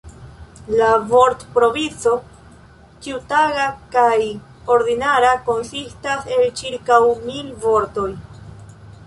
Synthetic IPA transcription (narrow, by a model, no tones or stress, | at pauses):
lavo̞ɾtpɾo̞vit͡so̞ | t͡ʃiutaɡakaj | o̞ɾd̪inaɾako̞nsistase̞lt͡ʃiɾkawmilvo̞ɾto̞j